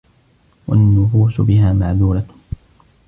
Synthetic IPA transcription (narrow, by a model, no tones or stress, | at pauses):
wa̰nːʊfuːsʊ̰bɪɦaːmaʕðuːɾa